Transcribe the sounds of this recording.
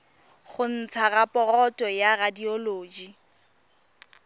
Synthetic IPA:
χʊn̩t͡sʰarapʼɔrɔtʼɔjaradiɔloːd͡ʒi

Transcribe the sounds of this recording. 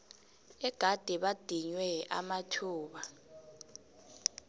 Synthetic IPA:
ɛɡ̥ʱad̥ʱiɓad̥ʱiɲwɛa̰matʰuːɓa

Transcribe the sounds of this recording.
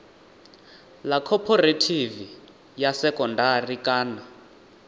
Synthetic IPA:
lakʰɔpʰɔretʰivi | jasɛkɔndarikʼaːna

